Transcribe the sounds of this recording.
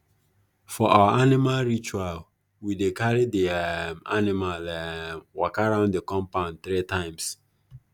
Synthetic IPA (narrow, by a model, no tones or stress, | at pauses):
fɔʔawaʔanimalɹit͡ʃual | widekaɹidima̰nimalwɔkaɹãʊ̃ndekɔ̃mpãʊ̃nθɹitãɪ̃ms